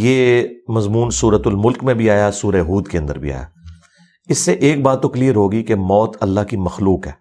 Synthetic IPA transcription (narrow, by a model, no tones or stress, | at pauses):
jeːmɐzmuːnsuːɾət̪ʊlmʊlkmẽbʱiaːjasuːɾeɦuːd̪keɐ̃nd̪ə̰ɾbʱḭa̰ːja̰ː | ɪsːeʔeːk̚baːt̪ːʊkliːɾɦoːɡikemɔːt̪ɐlːaɦkimɐxluːkɦɛː